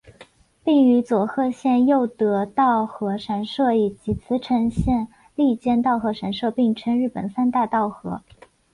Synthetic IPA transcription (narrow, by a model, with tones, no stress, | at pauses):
pi˥˩ŋy˧˥t͡swɔ˨˩xɤ˥˧ɕjɛ˥˧njo˥˩ʊt̪ɤ˧˥t̪ɑ˥˩ʊxɤ˧˥ʂa˧˥nʂɤ˥˩i˨˩t͡ɕi˧˥t͡sʰɹ̩˧˥ʈ͡ʂʰɤ˧˥ŋɕjɛ˥˧n | li˥˧t͡ɕjɛ˥˧nt̪ɑ˥˩ʊxɤ˧˥ʂa˧˥nʂɤ˥˧pi˥˩ŋʈ͡ʂʰə˥nɻ̩˥˩pə̰˨˩nsa˥nt̪a˥˧ɪt̪ɑ˥˩ʊxɤ˧˥